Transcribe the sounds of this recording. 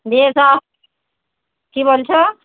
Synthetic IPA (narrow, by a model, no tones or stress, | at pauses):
besa | kibolt͡ʃʰʌ